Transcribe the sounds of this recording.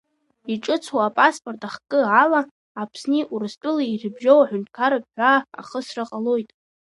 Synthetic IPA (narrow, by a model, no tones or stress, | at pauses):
iʈ͡ʂʼɨt͡sʰwaapʼaspʼo̞rtʼaχkʼɨalaː | pʰsniʔurɨstʲʼʊlairbʒowaħʷᶣʊntʰkʰaɾapʼħʷaːa̰χəsraqʼalo̞jtʼ